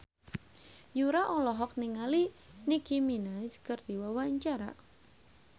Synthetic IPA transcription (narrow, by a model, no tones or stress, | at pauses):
juɾaʔɔlɔɦɔk̚niŋali | nikiminaskərd̪iwawaɲt͡ʃaɾa̰